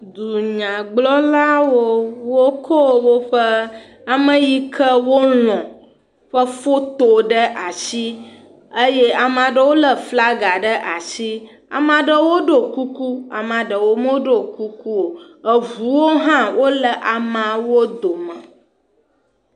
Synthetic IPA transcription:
d̪u˨ɲã˨ɡ͡blɔ˦la˦wo˦wo˦kʰɔ˦˨wo˦ɸə˦ | a˨mə̃˦ji˦kʰə˦wo˦lɔ̃˨ | ɸə˦fo˦t̪o˨ɖə˦ʔa˨si˦ | ə˦je˦a˨mã˨ɖə˦wo˦lə˨fla˦ɡa˨ɖə˦ʔa˨si˦ | a̰˨mã˨ɖə˦wo˦ɖo˨ku˦ku˦a̰˨mã˨ɖə˨wo˦mo˦ɖo˦˨ku˦ku˦wo˨ | ə˨vu˨˦wo˦ɦã˦wʔo˦lə˨ʔa˨mã˨wo˦d̪o˨mə̃˨

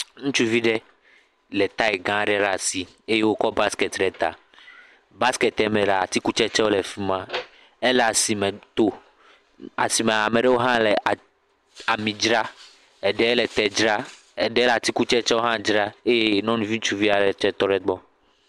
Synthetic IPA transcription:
ŋũ˦t͡ʃu˦vi˦ɖɛ˦ | lɛ˨t̪a˦ɛ˨ɡã˦˨ɖɛ˦ɖa˨si˨ | e˦je˦wo˦kɔ˦ba˦skɛ˨t̪ɖɛ˨t̪a̰˨ | ba˦skɛ˨t̪ɛ˨mɛ̃˨lɛ˨a˨t̪i˦ku˦t͡ʃɛ˦t͡ʃɛ˦wo˦lɛ˨fi˦mã˦ | ɛ˦la˨si˨mɛ̃˨t̪o˦ | a˨si˨mɛ̃˨a˨mɛ˨ɖɛ˦wo˦ɦã˦lɛ˨ʔa˨ | a˨mĩ˨d͡ʒɾa˦ | ɛ˨ɖɛ˦ɛ˦lɛ˨t̪ɛ˨d͡ʒɾa˦ | ɛ˨ɖɛ˦lɛ˨a˨t̪i˦ku˦t͡ʃɛ˦t͡ʃɛ˦wo˦ɦã˦d͡ʒɾa˦e˦je˦nɔ̃˦nũ˦vi˦ŋũ˦t͡ʃu˦vi˦a˨ɖɛ˨t͡ʃɛ˦t̪ɔ˦ɖɛ˦ɡ͡bɔ˦

